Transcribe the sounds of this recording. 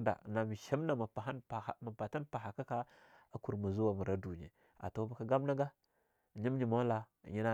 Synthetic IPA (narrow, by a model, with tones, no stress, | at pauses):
da̰˨na˨mi˨ʃa˦m˦na˨ma˨pa˨a˦n˨ma˨pa˨ta˦npa˨ɦa˨ka˦ka˦ | a˦ku˨ɾmu˨zu˦wa˨mu˨ɾa˦du˨ɲḛ˨ | a̰˨to˦ba˦ka˦ɡa˦m˦na˦ɡa˦˨ | ɲi˦m˦ɲi˨ma˦la˨ | ɲi˦na˦